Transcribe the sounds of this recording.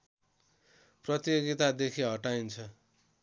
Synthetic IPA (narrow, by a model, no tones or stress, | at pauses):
prʌt̪joɡit̪ad̪ekʰiɦʌʈaint͡sʰʌ